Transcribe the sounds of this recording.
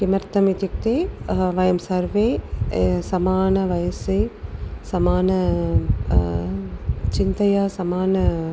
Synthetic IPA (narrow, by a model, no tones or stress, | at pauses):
kimɐɾt̪ɐmit̪juk̚t̪eːʋɐjɐmsɐɾʋeː | sɐmaːnɐʋɐjɐsesɐmaːnɐ | t͡ʃint̪ɐjaːsɐmaːnɐ